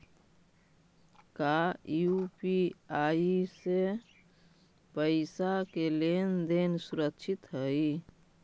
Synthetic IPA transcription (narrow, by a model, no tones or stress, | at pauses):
kajupiaise | pəɪsakelend̪ensuɾəkt͡ʃʰɪt̪ɦəi